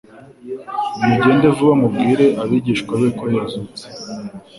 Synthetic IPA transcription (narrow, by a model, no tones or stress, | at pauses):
imuɟe̞ːnde̞vuβamub̚ɡiːɾe̞ʔaβiɟiːʃkwaβekojazut͡se̥